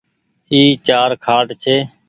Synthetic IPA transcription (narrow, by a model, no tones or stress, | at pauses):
iːt͡ʃaːɾkʰaːʈt͡ʃʰeː